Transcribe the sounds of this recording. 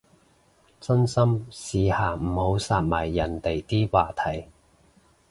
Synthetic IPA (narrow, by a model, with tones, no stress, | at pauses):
t͡sɐ˥nsɐ˥msiː˨˧haː˨˩m̩˨˩ho˨˧˥wsaː˧t̚maː˨˩jːɐ˨˩nt̪e˨jt̪iː˥waː˨t̪ʰɐ˨˩j